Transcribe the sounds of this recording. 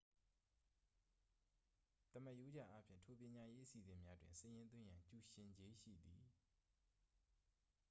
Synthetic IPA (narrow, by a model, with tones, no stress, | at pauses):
t̪ə˨mə˦˨ʔjo˦d͡ʑa̰˦˨ʔa˦pʰjɪ̰̃˦˨tʰo˨pjɪ̃˨ɲa˨je˦ʔə˦si˨zɪ̃˨mja˦dwɪ̃˨nsə˨jɪ̃˦nt̪wɪ̃˦˨jã˨ɲt͡ɕu˨ʃɪ̃˨ɲd͡ʑe˦ʃḭ˦˨d̪i˨